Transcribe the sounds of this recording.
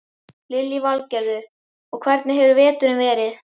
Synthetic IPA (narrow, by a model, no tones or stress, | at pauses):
lɪljivalcɛɾðʏ | ɔɣkʰvɛɾt̪nɪɦɛvʏɾvɛːt̪ʏɾʏmvɛːɾɪθ